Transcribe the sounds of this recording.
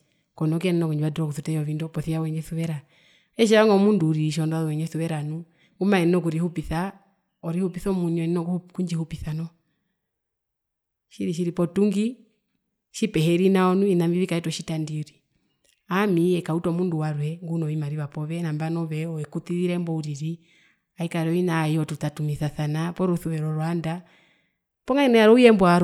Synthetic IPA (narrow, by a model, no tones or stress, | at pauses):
kɔnɔkiɛnɛnɔkuɲd͡ʒiβadɾɔkuθutɛɔβindɔpɔθiawɛɲɛθuβɛɾa | ɛʃɛaŋɡɔmunduɾiʃ̬ɔndaðɔwɛɲɛθuβɛɾanu | ŋɡumaɛnɛnɔk̬uɾihupiθa | ɔɾihupiθɔmuɲɛnɛnɔkuɲd͡ʒihupiθanɔ | ʃiɾiʃ̬iɾipɔtuŋɡi | ʃipɛɦɛɾinaɔnuinambiβikaɛtɔʃitandiɾi | amiɛkautɔmunduwaɾwɛŋɡunɔimaɾiβapɔβɛnambanɔβɛɔɛkut̪iðiɾɛmbɔuɾiɾi | aikaɾɔinaiɔtutatumiθaθanapɔɾuθuβɛɾɔɾɔanda | pɔŋainɛaɾɔujɛmbɔaɾ